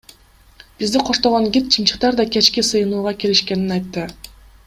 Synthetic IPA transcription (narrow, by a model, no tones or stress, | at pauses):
b̥izd̪iqʰo̞ʃt̪oʁoŋɡʲit̪̚t͡ʃʰɯmt͡ʃɯ̥qt̪ɑɾd̪ɑkʲe̞t͡ʃkisɯjɯnuːʁɑkeliʃke̞ninɑjt̪ːɯ